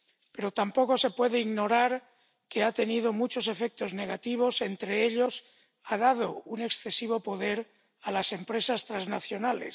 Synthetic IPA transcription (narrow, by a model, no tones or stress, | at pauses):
pe̞ɾo̞t̪ampo̞ko̞se̞pwe̞ðeiɣno̞ɾaɾ | ke̞at̪e̞niðo̞mut͡ʃo̞s̬e̞fe̞k̚t̪o̞zne̞ɣ̞at̪iβ̞o̞se̞nt̪ɾe̞eʎo̞s | aðað̞o̞une̞ksθe̞siβ̞o̞po̞ðe̞ɾ | alase̞mpɾe̞sast̪ɾaznaθjo̞nale̞̰s